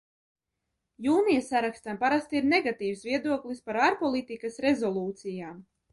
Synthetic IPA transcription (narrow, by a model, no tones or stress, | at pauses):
juːnijasaɾakst̪ampaɾast̪iɾnɛɡat̪iːwsviɛd̪uɔklispaɾaɾpɔlˠit̪ikasɾezɔlˠuːt̪sijaːm